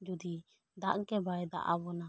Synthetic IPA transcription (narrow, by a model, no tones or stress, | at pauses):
d͡ʒud̪i | d̪aʔŋkɛbaɛd̪a̰ʔa̰bɔna